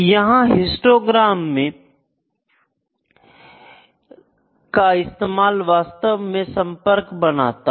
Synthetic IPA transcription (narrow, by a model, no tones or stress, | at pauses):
jɐɦãɦɪ̃sʈoːɡɾaːmːẽ | kaɪst̪eːmaːlʋaːst̪əʋmẽsɐ̃mpəɾkbɐna̰ːt̪a